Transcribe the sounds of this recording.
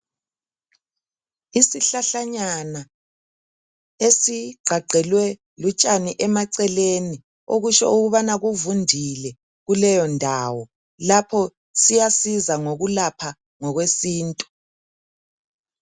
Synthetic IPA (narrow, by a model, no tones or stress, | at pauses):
isiɬaɬaɲana | esiɡ͡ǀʱaɡ͡ǀʱɛlwɛ | lut͡ʃʼaniʔɛmaǀɛleni | oɣut͡ʃɔ̰uɣuβanaɣuvundʱilɛ | ɣulɛjɔndʱaːwɔ | lapʰɔ | sijasizaŋoɣulapʰa | ŋɔɣwesiːntʼu̥